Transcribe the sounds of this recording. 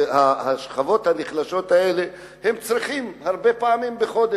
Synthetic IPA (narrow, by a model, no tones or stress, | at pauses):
haaʃχavo̞t̪haniχlaʃo̞t̪aele̞ | hemt͡sʁiχimhaʁbe̞paːmimbeχo̞d̪e